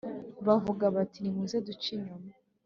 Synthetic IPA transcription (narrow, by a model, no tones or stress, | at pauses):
βavuɡaβatinimuzedut͡ʃiɲuma